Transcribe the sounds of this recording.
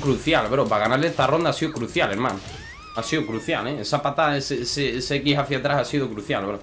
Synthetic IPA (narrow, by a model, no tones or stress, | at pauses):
kɾuθjalβeɾopaɣanaɾlest̪aro̞nd̪asiokɾuθjaleɾma̰n | asiokɾuθja̰leesapat̪aeseseesekiɦaθjat̪ɾasasiðokɾuθja̰lβo